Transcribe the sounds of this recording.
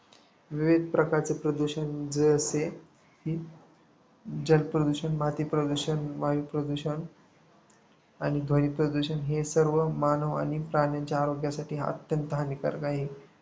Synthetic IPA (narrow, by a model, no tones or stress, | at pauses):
ʋiʋid̪̚ʱpɾəkaɾt͡sepɾəd̪uɕənd͡zəəse | hiː | d͡ʑəlpɾəd̪uɕənmat̪iːpɾəd̪uɕənʋaʋipɾəd̪uɕən | añid̪ʱoɽiːpɾəd̪uɕənɦesəɾʋəmanəʋa̰ñipɾaɳjaɲt͡ɕjaːɾoɡjasaʈʰiːə̰t̪jənt̪əɦanika̰ɾkaɦiː